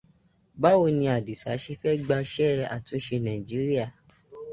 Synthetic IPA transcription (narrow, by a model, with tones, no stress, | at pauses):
ba˦wo˧˨nĩ˧a˨di˨sa˨˦ʃe˧˦fɛ˦ɡ͡ba˧ʃɛ˦˨a̰˨tũ˨˦ʃe˧nã˨ĩ˨d͡ʒi˨˦ɾi˦a˦˨